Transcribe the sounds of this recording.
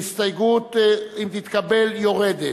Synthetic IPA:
ist̪ajɡut̪imt̪it̪kabeljoʁed̪e

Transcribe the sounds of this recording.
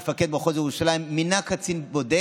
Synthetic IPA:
faked̪baχozjeuʃalaimːinakat͡sinbod̪e

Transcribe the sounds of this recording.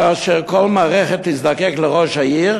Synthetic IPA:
aaːʃɛʁkolmaːʁɛχet̪izd̪akɛkləʁoʃajiʁ

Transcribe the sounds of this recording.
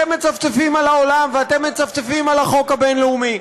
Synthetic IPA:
emːet͡savt͡sefimalaolamveat̪e̞mːet͡savt͡sefimalaχo̞khabenleumi

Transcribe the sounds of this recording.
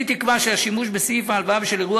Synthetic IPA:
it̪ikvaʃeaʃimuʃbesifaːlvabʃeleʁua

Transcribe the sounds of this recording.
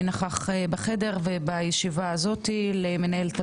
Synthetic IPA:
naχaχbeχe̞de̞ʁvebajeʃivaːzo̞t̪ileme̞nae̞lt̪a

